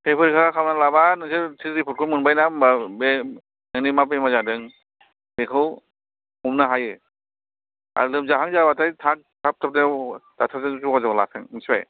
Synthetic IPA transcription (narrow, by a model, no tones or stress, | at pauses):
hepʰɯɾkʰaakʰawnalabanɯŋsʰetʰiɾipʰut̚kʰɯmɯnbajnamabe | nɯŋnimapemazadɯŋ | bekʰɯw | umnaɦajɯ | a̰ɾlɯmzaɦaŋzabatʰajtʰak̚tʰap̚tʰap̚ned̥atʰazɯzuazawlasʰɯŋɯŋsʰa̰j